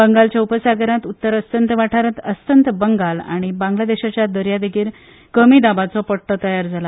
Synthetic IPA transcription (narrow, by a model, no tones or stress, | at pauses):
bəŋɡalt͡ɕjaupəsaɡəɾãt̪ut̪ːəɾəst̪ənt̪ʋaʈʰaɾət̪əst̪ənt̪əbəŋɡala̰ɽ̃ibãŋɡlad̪eɕat͡ɕjad̪əɾjad̪eɡiːɾ | kəmiːd̪abat͡sɔpəɽʈ̪ɔt̪əjaɾd͡zala